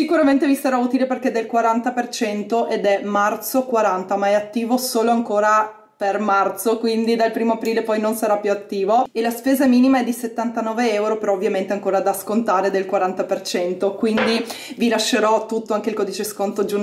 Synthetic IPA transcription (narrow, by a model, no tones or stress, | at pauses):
sikuɾament̪evisaɾauːt̪ileperk̟ed̪ːelkwaɾant̪apert͡ʃɛnt̪oʔed̪ɛmart̪sokwaɾant̪amaɛat̪ːiːvosoːloaŋkoːɾa | permart̪sokwind̪id̪alpɾiːmoapɾiːlepɔjnonsaɾapːjuat̪ːiːvoelaspeːzaɛmiːnimaɛd̪ːiset̪ːant̪anɔːveɛwɾopeɾɔovːjament̪eaŋkoːɾad̪askont̪aːɾed̪elkwaɾant̪apert͡ʃɛnt̪okwind̪i | vilaʃːeɾɔt̪ːut̪ːoaŋk̟eilkɔːd̪it͡ʃeskont̪od͡ʒu